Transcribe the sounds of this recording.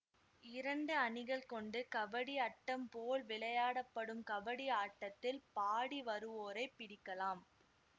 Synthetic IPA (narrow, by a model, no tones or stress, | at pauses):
ɪɾɐɳɖɯɐnɪɣɐɭkɔɳɖɯkɐʋɐɽiɐʈːɐmpoːlʋɪɭɐjaːɽɐpːɐɽɯmkɐʋɐɽiaːʈːɐt̪ːɪlpaːɽiʋɐɾɯʋoːɾɐɪpːɪɽɪkːɐlaːm